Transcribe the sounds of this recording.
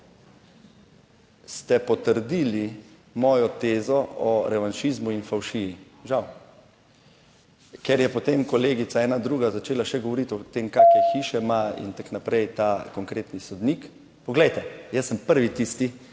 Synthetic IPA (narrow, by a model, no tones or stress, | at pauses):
st̪ɛpɔt̪əɾd̪iːli | mɔːjɔt̪eːzɔɔɾɛʋanʃizmuinfawʃii | ʒaw | kɛɾjɛpɔt̪emkɔleːɡisaɛːnad̪ɾuːɡazat͡ʃeːlaʃɛɡɔʋɔɾit̪ɔt̪emkaːkɛxiːʃɛmaḭnt̪aknapɾɛjt̪akɔŋkɾeːt̪nisɔd̪nik | pɔɡlɛjt̪ɛjəsːəmpəɾʋit̪ist̪i